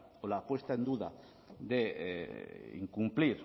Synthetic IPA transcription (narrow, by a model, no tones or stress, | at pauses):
olapwest̪aend̪uða̰ | d̪e | ḭŋkumpliɾ